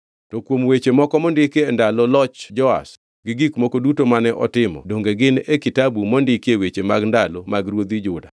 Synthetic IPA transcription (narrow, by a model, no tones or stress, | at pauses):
tɔkwomwet͡ʃemɔkɔmɔndɪkendalɔlɔt͡ʃd͡ʒɔa̰s | ɡɪɡikmokodutomanɛʔɔ̰tɪmɔ̰doŋɡeɡɪnekɪtabumondɪkewet͡ʃemaɡndalomaɡɾwod̪id͡ʒʊda